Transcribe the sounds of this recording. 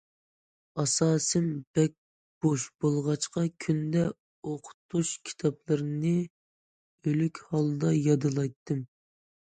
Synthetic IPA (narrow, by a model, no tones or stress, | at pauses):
ɑsɑːsɨmb̥ɛk̚ʲ | b̥oʃb̥olˠʁɑt͡ʃqɑkʲʰynd̪ɛ | oqʰʊ̥t̪ʰuʃkʲʰi̥t̪ʰɑplˠɨɾnɨ | ølykʲhɑlˠd̪ɑjɑd̪ɨlˠɑjt̪ʰːɨm